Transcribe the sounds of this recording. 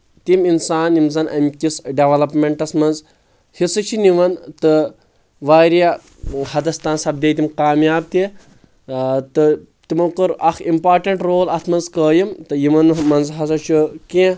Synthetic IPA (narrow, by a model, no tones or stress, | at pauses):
t̪iminsaːnjimzɐnʔɐ̰mʲkʲisɖeʋɐlɐpmeɳʈɐsmɐnz | hisɨt͡ʃʰiniʋɐnt̪ɨ | ʋaːɾija | hɐd̪ɐst̪aːnsɐb̚d̪eːjt̪imkaːmjaːb̚t̪i | t̪ɨ | t̪imɐkuɾɐxʰimpaːɾʈɐɳʈɾoːlɐt̪ʰmɐnzkəːjimt̪ɨjimɐnmɐnzɦɐsɐt͡ʃʰukẽ